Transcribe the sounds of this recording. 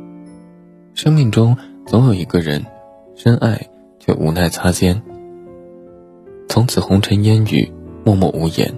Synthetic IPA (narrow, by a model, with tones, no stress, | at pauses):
ʂɤ˥ŋmi˥˩ŋʈ͡ʂʊ˥ŋt͡sʰo˧˥ʊjo˨˩ʊi˧˥ɡə˥˧ɻə˧˥n | ʂə˥nʔa˥˩ɪ | t͡ɕʰɛ̰˥˩ʔṵ˨˧˩na˥˩ɪt͡sʰa˥t͡ɕjɛ˥n | t͡sʰʊ˧˥ŋt͡sʰɹ̩˨˩xʊ˧˥ŋʈ͡ʂʰə˧˥njɛ˥ny̰˨˩mwɔ˥˧mɔ̰˥˩u˧˥jɛ̰˧˥n